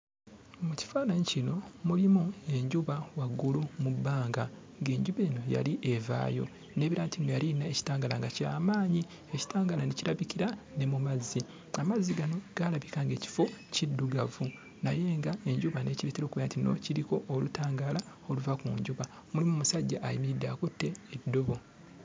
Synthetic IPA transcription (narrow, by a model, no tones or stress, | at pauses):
muci̥faːnaɲicino̞mulimue̞ɲɟuβawaɡːulumubːaːŋɡa | ŋɡe̞ːɲɟuβe̞ːno̞ja̰liʔe̞va̰ːjo̞̰ | ne̞ːβiɾaːntʰimojalinaeci̥taːŋɡalaŋɡacia̰ːmaːɲi | eci̥taːŋɡalaneciɾaβikiɾane̞mumazːi | amazːiɡano̞ɡ̥alaβikaŋɡe̞ːci̥fo̞cidːuɡavu | naje̞ːŋɡae̞ɲɟuβane̞ciɾeteɾo̞ːkuβejantino̞̰ciɾiko̞ʔːlutaːŋɡaːla | o̞luvakuːɲɟuβa | mulimumusaɟːaʔːjimiɾidːakotːe̞ːdːo̞βo̞